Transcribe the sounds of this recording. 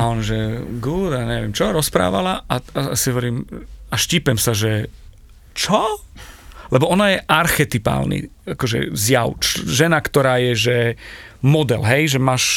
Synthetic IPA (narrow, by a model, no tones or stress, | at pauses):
aɔnʒɛɡuːd̪aɲɛʋɪɛmt͡ʃɔɾɔspɾa̰ːʋa̰laʔaasiɦɔʋɔɾiːmaʃcipɛmsaʒɛ | t͡ʃɔ | lɛbɔɔnajɛʔaɾxɛt̪ipa̰ːlnḭakɔʒɛ̰zjaʊt͡ʃʒɛnakt̪ɔɾaːjɛʒɛmɔd̪ɛlɦɛjʒɛmaːʃ